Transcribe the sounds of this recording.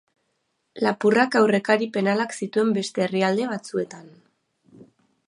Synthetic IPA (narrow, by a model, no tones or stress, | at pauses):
lapurakawre̞kaɾipe̞nalaksit̪ue̞mbe̞st̪e̞ːriald̪e̞β̞at͡sue̞t̪an